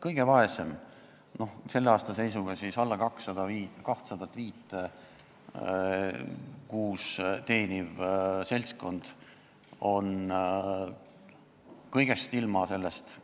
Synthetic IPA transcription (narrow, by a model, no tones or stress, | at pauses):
kɤjɡ̥e̞vɑe̞sem | no̞hse̞lːeɑːst̪ɑsejsuɡ̥ɑsisɑlːɑkɑksːɑd̪̥ɑviːkɑht̪sɑd̪̥ɑt̪ːˑviːt̪ːˑe | kuːst̪e̞ːnʲivselʲsko̞nd̪̥ | o̞n | kɤjɡ̥e̞st̪ilmɑse̞lːest̪